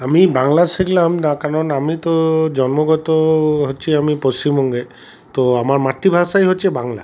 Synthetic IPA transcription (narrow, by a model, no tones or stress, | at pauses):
amibaŋlasiklamnakaɹɔnamit̪ɔd͡ʒɔnmɔɡɔt̪ɔɦot͡ʃʰiamipost͡ʃimɔŋɡe | t̪ɔamaɹmat̪ːibʱasajɦot͡ʃʰɛbaŋla̰